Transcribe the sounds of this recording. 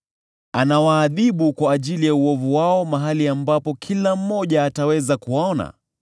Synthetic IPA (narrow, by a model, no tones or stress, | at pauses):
anawaːðiɓukwaːʄilijauɔvuwaɔmaɦaliambapɔkʰilam̩ːɔʄaːtawɛzakuwaɔna̰